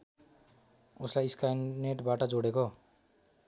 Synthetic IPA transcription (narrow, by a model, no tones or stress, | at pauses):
oslajiskajneʈbaʈʌd͡zoɽeko